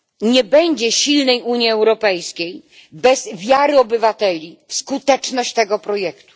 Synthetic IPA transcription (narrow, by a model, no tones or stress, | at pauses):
ɲɛbɛɲd͡ʑɛɕilnɛjʔuɲjiɛwɾɔpɛjskʲej | bɛzvʲjaɾɘɔbɘvat̪ɛlʲifskut̪ɛt͡ʂnɔɕt͡ɕt̪ɛɡɔpɾɔjɛkt̪u̥